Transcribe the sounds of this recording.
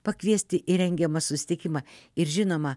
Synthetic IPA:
pɐkʋʲiɛsʲt̪ʲɪʔɪɾʲɛŋʲɡʲɛmɐsʊsʲɪ̥t̪ʲɪkʲɪmɐɪɾʒʲɪnoːmɐ

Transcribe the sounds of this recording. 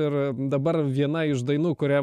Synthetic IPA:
ɪɾ | d̪ɐbɐɾʋʲiɛnɐɪʃd̪ɐɪnuːkʊɾʲæː

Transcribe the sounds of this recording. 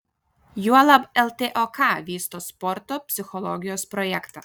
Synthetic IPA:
juɐlˠɐbɛlˠt̪ʲeʔokɑˑʋʲiːst̪oːspɔɾt̪oːpʲsʲɪxɔlˠɔ̰ɡʲɪjoːspɾɔjɛkt̪ɐ

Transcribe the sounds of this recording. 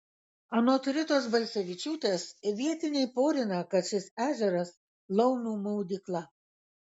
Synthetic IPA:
ɐnoːt̪ʲɾʲɪt̪oːsbɐlʲsʲɛʋʲɪt͡ʃʲuːt̪ʲeːsʋʲiɛt̪ʲɪnʲɛɪpoːɾʲɪnɐkɐt̪ʃʲɪsæːʒʲɛɾɐs | lˠɐʊnuːmɐʊd̪ʲɪklˠɐ

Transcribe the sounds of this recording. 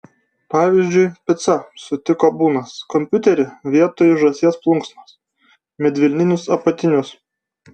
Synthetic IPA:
pɑːʋʲiːˑzʲd͡ʒʲʊɪpʲɪt̪sɐsʊt̪ʲɪkoːbuːnɐskɔmʲpʲʊt̪ʲɛɾʲɪʋʲiɛt̪oːjʊʒɐsʲiɛsplˠʊŋksmɐs | mʲɛd̪ʲʋʲɪlʲnʲɪnʲʊsɐpɐt̪ʲɪnʲʊs

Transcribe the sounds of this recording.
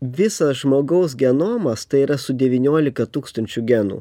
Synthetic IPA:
ʋʲɪsɐsʒmoːɡɐʊs̬ɡʲɛnoːmɐst̪ɐɪiːɾɐsʊd̪ʲɛʋʲiːnʲoːlʲɪkɐt̪uːkst̪ɐnʲt͡ʃʲʊɡʲɛnṵː

